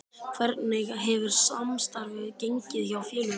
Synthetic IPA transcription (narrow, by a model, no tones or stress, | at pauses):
kʰvɛɾt̪nɪɣɦɛvʏɾ̥samst̪aɾvɪðceɲcɪðçawfjɛːlʏ